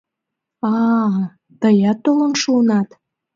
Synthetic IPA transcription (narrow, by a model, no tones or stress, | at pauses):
ɑ | t̪əjɑt̪ːolənʃuənɑt̪